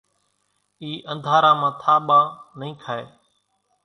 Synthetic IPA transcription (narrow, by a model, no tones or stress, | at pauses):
iːʔənd̪ʱaːɾãːmãːt̪ʰaːɓãːnəĩːkʰaːḛː